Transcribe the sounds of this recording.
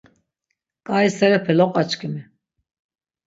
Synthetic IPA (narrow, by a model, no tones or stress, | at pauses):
kʼaisɛɾɛpʰɛlɔqʼat͡ʃkʰimi